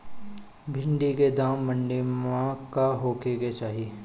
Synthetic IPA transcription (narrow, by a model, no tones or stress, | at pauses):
bʱɪ̃ɳɖiked̪ãːmːə̃ɳɖimãkaɦoːkeket͡ʃaːɦie